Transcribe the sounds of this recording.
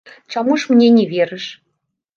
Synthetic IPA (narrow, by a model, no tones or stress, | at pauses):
t͡ɕɑmuʃmnʲenʲeβʲeɾə̆ʃ